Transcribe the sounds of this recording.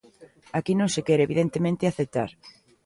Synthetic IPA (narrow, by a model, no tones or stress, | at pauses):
akinõŋsɪkɛɾeβiðent̪emẽnt̪ɪaθet̪a̰ɾ